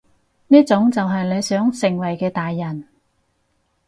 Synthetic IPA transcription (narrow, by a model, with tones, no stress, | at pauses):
niː˥t͡sʊ˨˧˥ŋt͡sɐ˨wɦɐ˨jle˨˧jsœː˨˥ŋsɪ˨˩ŋwɐ˨˩jkɛː˧t̪aː˨jːɐ˨˩n